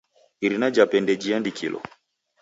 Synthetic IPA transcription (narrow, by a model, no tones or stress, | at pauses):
iɾinad͡ʒapɛndɛd͡ʒiandikʰḭlʔɔ̰